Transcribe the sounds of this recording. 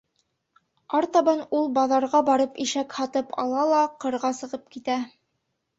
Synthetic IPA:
ɑɾt̪ɑbɑnulˠbɑðɑɾʁɑbɑɾɤpiʃækhɑt̪ɤpʰɑ̰lˠɑlˠɑqɤ̆ɾʁɑsɤ̆ʁɤp̚kit̪æ

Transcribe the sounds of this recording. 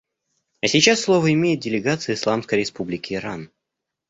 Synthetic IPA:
ɐsʲɪt͡ɕasːlˠo̞vəɪmʲejɪt̪̚dʲɪlʲɪɡat̪sɨjəɪslˠamskəjɾʲɪspublʲɪkʲɪːɾan

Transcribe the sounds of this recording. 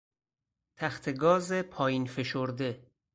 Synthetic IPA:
t̪ʰæxt̪ʰeɡɒːzepʰɒːjinfe̞ʃoɾd̪e̞

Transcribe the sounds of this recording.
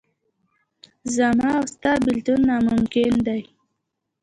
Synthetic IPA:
zamɑwst̪ɑbɪlt̪unːɑmʊmkɪnd̪aj

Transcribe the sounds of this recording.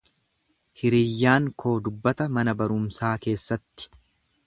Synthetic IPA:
hɪɾijːaːŋkʰo̞ːd̪ʊbːɐt̪ɐmɐnɐbɐɾʊmsaːke̞ːsːɐt̪ːɪ̥

